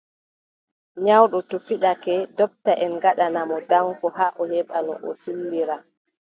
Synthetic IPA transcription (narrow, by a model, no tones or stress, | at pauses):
ɲawɗɔtɔfiɗakɛdɔp̚taʔɛnɡaɗanamɔdaŋkɔhaːʔɔhɛɓanɔ̰ʔɔ̰silːiɾa